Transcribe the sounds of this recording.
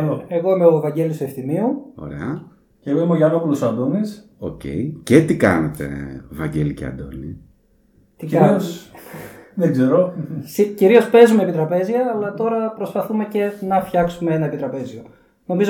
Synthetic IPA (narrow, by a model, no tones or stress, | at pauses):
loeɣo̞imeovɐɲɟe̞list̪ue̞fθimiuo̞̰ɾe̞̰ɐ | ceɣoimoʝɐnopulusɐnd̪omis | o̰cḛjcet̪ikɐ̰net̪e̞̰vɐɲɟeliceɐ̰nd̪o̞̰ni | t̪ikios | ðeɡzeɾosiciɾio̞spe̞zumepit̪ɾɐpe̞zʝɐːlɐt̪o̞ɾɐpɾo̞spɐθume̞ce̞nɐfçɐksumeenɐepit̪ɾɐpe̞zio̞ | no̞mizo